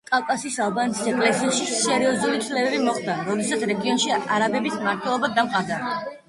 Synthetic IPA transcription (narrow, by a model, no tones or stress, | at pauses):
kʼafkʼasisalˠbant̪ʰisɛkʼlɛsiaʃisɛɾiɔzulit̪ʰlɛbɛbimɔχd̪aɾɔd̪ɛsat̪sʰɾɛɡiɔnʃiaɾabɛbismaɾt̪ʰwɛlˠɔbad̪amqʼad̪a